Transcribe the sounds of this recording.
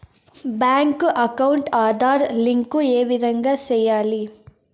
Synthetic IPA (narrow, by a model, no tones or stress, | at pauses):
baːŋkuʔɐkɐwɳʈaːd̪aːɾliŋkueːʋid̪ɐŋɡasɛːjaːli